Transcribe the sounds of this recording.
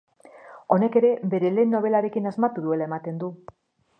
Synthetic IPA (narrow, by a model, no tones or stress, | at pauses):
o̞ne̞ke̞ɾe̞be̞ɾe̞le̞ːnːo̞β̞e̞laɾe̞kinazmat̪uðue̞lae̞mat̪e̞nd̪u